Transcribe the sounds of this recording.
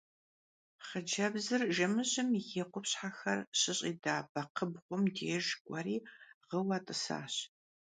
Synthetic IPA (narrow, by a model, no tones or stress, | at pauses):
χəd͡ʒɐbzɨrʒɐmɨɕɪmiɣeqʷʊpɕħaxɐ̰rɕɪɕʼiːdaːb̥ɐqʰəbʁʷʊmdeːʒɡʷʼɐɾiːʁəwɐtʼɨsa̰ːɕ